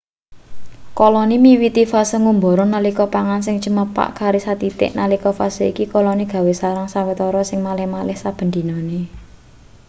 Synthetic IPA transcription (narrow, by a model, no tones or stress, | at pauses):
kɔlɔnimiwit̪ifasəŋumbɔ̤ɾɔnalikɔpaŋansɪŋt͡ʃəməpa̰ʔkaɾisat̪it̪ɪ̰ʔnalikɔfasəḭkikɔlɔniɡ̥ä̤wesaɾaŋsawet̪ɔɾɔsɪŋmalɪhmalɪhsab̥ə̤nd̪i̤nɔne